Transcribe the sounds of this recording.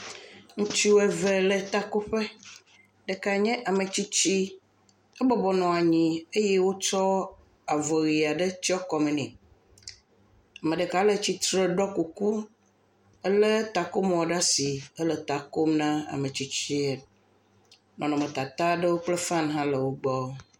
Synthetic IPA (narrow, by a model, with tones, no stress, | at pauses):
ŋũ˦t͡ʃi˦wo˦ɛ˦ve˨lə˨t̪a˦ko˦ɸe˦ | ɖə˨ka˨ɲɛ̃˦ʔa˨mə˨t͡ɕi˦t͡ɕi˦ | ɛ˦bɔ˦bɔ˨nɔ̃˨a˨ɲĩ˨e˦jɛ˦wo˦t͡ʃɔ˦ | a˨vɔ˨ɣi˨a˨ɖə˦t͡ɕi˦ɔ˦kɔ˨mẽ˨nĩ˨ | a˨mə̃˨ɖə˨ka˨˦lə˦t͡ɕi˦t̪ɾə˦˨ɖɔ˦ku˨ku˦ | ə˦lə˦t̪a˨ko˦m˦ɔ̃˨ɖa˦si˨ə˦lə˨t̪a˨ko˦mnã˦a̰˨mə̃˨t͡ɕi˦t͡ɕi˦e˨ | nɔ̃˨nɔ̃˨mə̃˨t̪a˨t̪a˦ɖə˦wo˦k͡plə˦fã˦nɦã˦lə˨wo˦ɡ͡bɔ˦